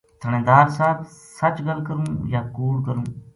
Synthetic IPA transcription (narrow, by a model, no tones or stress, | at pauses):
t̪ʰəɳẽːd̪aːɾsaːbsɐt͡ʃɡəlkəɾũːjaːkuːɾkəɾũː